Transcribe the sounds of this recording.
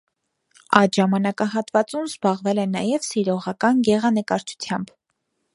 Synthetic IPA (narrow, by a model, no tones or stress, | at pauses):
ɑj̪ʒɑmɑnɑkɑɦɑt̪vɑt͡sumzbɑʁvɛlɛnɑjɛvsiɾɔʁɑkɑnɡɛʁɑnəkɑɾt͡ʃʰu̥t͡sʰjɑmb